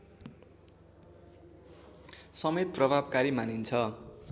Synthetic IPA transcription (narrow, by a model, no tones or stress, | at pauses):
sʌmet̪̚prʌbʱabkaɾimanint͡sʰʌ